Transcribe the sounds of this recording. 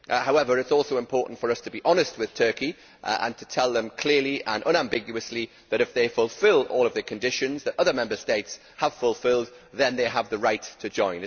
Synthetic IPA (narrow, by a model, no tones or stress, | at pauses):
ʔhaʊɛvə˞ɨtsɔˑlˠsoʊɪ̃mpʰɔɹʔn̩tfə˞ʌstʰəbiʔɒnɨst̚wɨð̥tʰɜˑ˞ki | ʔʔə̰̃ntʰətʰɛlˠðə̃mkʰl̥ɪɹliʔə̰̃nʔʌ̃ñãmbɪɡjʉəsli | ðəɾɨfðeɪfʊlˠfɪlˠɔːlˠʌvðəkʰə̃ndɪʃɨ̃nzðəɾʌðəmɛ̃mbə˞steɪts | həv̥fʊlˠfɪlˠd̪̚ | ðə̃nðeɪəvðəɹaɪtʰəd͡ʒɔ̃ɪ̃n